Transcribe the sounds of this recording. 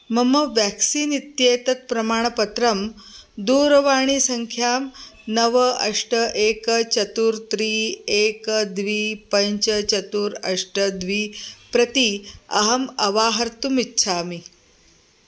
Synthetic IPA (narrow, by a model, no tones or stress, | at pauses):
mɐmɐʋjæksiːnit̪jet̪ɐt̪̚pɾɐmaːɳ̃pɐt̪ɾɐmd̪uːɾʋaːɳ̃iːsɐŋkʰjaːmnɐʋəɐʂʈəʔekt͡ɕɐt̪uːɾt̪ɾiːeːkd̪ʋiːpɐɲt͡ɕət͡ɕɐt̪uːɾɐʂʈəd̪ʋiːpɾɐt̪iɐɦɐmɐʋaːɦɐɾt̪umitːɕʰaːmi